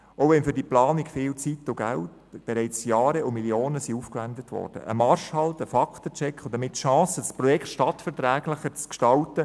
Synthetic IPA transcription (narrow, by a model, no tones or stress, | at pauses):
oʋɛnfʏɾd̥iplɑːnikfɪːlt͡sitːʊɡ̥æ̰lt | b̥ɛɾɛɪt͡sjɑːɾɛʊmiljoːnəsiufkʋændətʋɔ̰ːɾd̥ə̰ʔə̰mɑɾʃhɑltəfɑkχtət͡ʃɛkχodəmɪtːʃɑ̃ːsədɑspɾɔjɛkχtʃtɑtfɛɾtɾæːɡ̥ləχət͡skʃtɑltə